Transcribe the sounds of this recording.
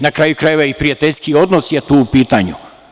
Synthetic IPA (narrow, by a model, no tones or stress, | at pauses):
nakɾaːjukɾajeʋaipɾijat̪eʎʲskio̞d̪nosjet̪uːupiːt̪aɲṵ